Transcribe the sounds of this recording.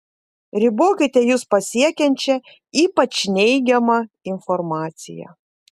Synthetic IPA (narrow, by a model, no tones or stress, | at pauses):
ɾʲɪboːkʲɪt̪ʲɛjuːspɐsʲiɛkʲɛnʲt͡ʃʲɛ | iːpɐt͡ʃnʲɛɪɡʲɛmɐ | ɪnfɔɾmɑːt̪sʲɪ̰jɛ̰